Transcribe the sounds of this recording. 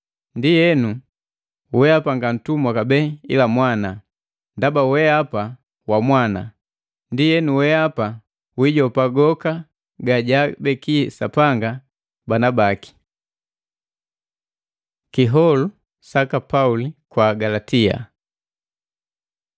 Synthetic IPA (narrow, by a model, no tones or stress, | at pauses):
ndijɛnu | wɛapaŋɡan̩tumwakabɛḭlamwana | ndabawɛapa | wamwana̰ | ndijɛnuwɛapa | wiɟɔpaɡɔka | ɡaɟabɛkisapaŋɡa | banabaki̥ | kiɦɔlu | sakapaulikwaɡalatia̰